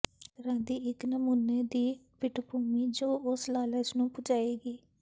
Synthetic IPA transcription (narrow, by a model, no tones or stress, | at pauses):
t̪əɾãːd̪iːʔɪknəmuːneːd̪iːpɪʈpuːmiːd͡ʒoːʔʊslaːləsnũːpʊd͡ʒaːeːɡiː